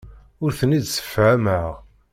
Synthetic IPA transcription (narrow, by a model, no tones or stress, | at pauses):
ʊɾθənid̪sə̥fːʕaməʁ